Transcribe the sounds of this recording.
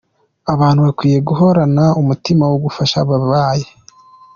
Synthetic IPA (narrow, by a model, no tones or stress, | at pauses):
aβaːnhuβakwiːje̞ɡuɦo̞ɾanaumutimawoɡufaʃaβaβaːje